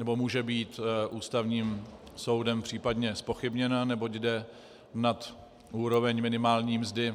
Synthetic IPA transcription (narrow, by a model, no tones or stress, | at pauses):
nɛbo̞muːʒɛbiːt̪ʔuːst̪avɲiːmso̞wdɛmpr̝̥iːpadɲɛspoxɪbɲɛnanɛbo̞cdɛ | nat̪ | ʔuːɾo̞vɛɲmɪnɪmaːlɲiːmzdɪ